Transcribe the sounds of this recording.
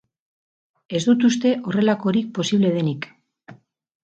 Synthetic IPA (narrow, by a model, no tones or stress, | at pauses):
e̞zd̪ut̪ust̪e̞ʔo̞re̞lako̞ɾik̚po̞siβle̞ð̞e̞nik